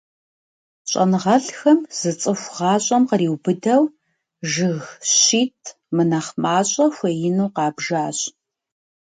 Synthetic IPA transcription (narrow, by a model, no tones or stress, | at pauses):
ɕʼɐ̰nʁɐɬxɐmz̥ɨt͡sʼɨxʷʁɑːɕʼɐmqəriːwbɨdɐw | ʒɨɣɕiːtʰ | mɨnɐχmaːɕʼɐxʷɐjɪnuːqɑːbʒaːɕʼ